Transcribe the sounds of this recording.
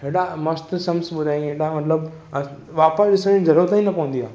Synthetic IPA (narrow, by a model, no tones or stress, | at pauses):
ɦeːɗamɐst̪sɐmsɓʊd̪ʱaːĩɦeːɽamɐt̪ləb | ʋaːpəsɗɪsəɽ̃izɐɾuːɾət̪ĩnɐpɐʋə̃nd̪ijaː